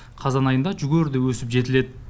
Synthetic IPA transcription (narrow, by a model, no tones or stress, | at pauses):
qʰɑzɑnɑjənd̪ɑʒʏɡʲeɾd̪ɪwɵsɪpʒe̞t̪ɪle̞d̪ɪ